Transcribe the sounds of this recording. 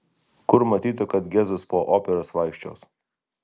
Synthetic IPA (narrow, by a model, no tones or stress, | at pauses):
kʊɾmɐt̪ʲiːt̪ʊkɐt̪ɡʲɛzʊspoːʔoːpʲɛɾoːsʋɐˑɪkʃʲt͡ʃʲo̰ːs